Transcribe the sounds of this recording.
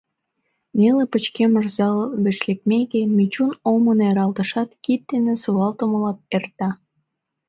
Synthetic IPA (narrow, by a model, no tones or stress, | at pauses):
nelepət͡ɕkemərzɑlβĕʃlek̚mekemit͡ɕunoməneɾɑlt̪ə̆ʃɑt̪kit̪̚d̪enesolɑlt̪oməlɑt̪̚ert̪ɑ